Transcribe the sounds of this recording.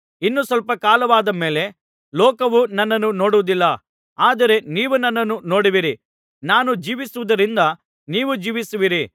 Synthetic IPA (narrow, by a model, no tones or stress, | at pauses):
inːusʋɐlpɐkaːlɐʋaːd̪ɐme̞ːle̞ | lɔːkɐʋunɐnːɐnːuno̞ːɽuʋud̪ilːɐ | aːd̪ɐɾe̞niːʋunɐnːɐnːuno̞ːɽiʋiɾi | naːnud͡ʒiːʋisuʋud̪ɐɾind̪ɐ | niːʋud͡ʒiːʋisuʋiɾi